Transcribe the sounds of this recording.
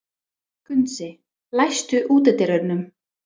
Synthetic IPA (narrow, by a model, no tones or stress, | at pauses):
kʏnt̪sɪ | lajst̪ʏʔuːt̪ɛt̪ɪɾœɾnʏm